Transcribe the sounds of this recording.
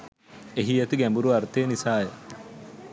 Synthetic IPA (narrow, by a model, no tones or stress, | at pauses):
eɦiet̪iɡæmbuɾuɐɾt̪eːnisaːje